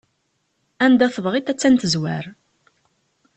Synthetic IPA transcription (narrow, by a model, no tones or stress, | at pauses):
ænd̪æθəðʁit̪æt͡sːænt̪əzwæɾ